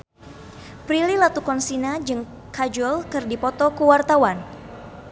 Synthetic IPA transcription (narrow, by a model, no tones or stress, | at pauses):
pɾililat̪ukɔnsinad͡ʒɨŋ | kad͡ʒulkɨrdipɔt̪ɔkəwart̪awan